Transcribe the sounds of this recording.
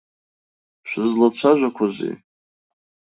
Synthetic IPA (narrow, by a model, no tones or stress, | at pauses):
ʃʷᶣɨzlat͡ɕʷʰaʒʷakʷʰazḭ